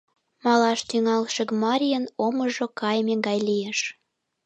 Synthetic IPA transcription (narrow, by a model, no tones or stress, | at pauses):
mɑlɑʃt̪yŋɑlʃə̆kmɑɾʲijənoməʒokɑjmeŋɡɑjlijeʃ